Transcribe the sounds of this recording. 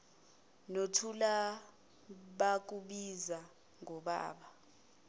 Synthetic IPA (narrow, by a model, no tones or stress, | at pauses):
notʰula | ɓak̬uɓiza | ŋɔɓa̰ːɓa